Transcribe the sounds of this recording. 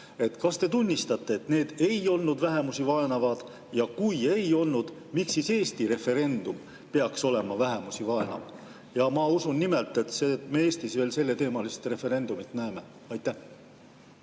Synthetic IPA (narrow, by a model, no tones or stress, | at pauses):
e̞t̪ːˑkɑst̪e̞t̪unʲːist̪ɑt̪ːe̞et̪ne̞ːd̪̥e̞jo̞lnud̪væɦe̞musivɑe̞nɑvɑd̪̥ | jɑkuje̞jo̞lnud̪̥ | miksise̞ːst̪iɾe̞fe̞ɾe̞nd̪̥um | pe̞ɑkso̞le̞mɑvæɦe̞musivɑe̞nɑ̰v | jɑmɑusunːime̞lt̪ˑe̞t̪semee̞ːst̪isve̞ːlse̞lːe̞t̪e̞ːmɑlist̪re̞fe̞ɾe̞nd̪̥umit̪næeme̞ | ɑjt̪ːˑæ